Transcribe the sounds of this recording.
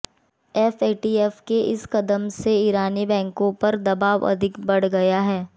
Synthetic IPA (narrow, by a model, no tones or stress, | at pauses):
ɛfeːʈiːɛːfkeʔɪ̰skɐd̪əmseiːɾaːnibɛ̃ːŋkõpɐɾd̪ɐbaːʋɐ̰d̪ʱɪkbɐɽ̤ɡɐjaɦɛː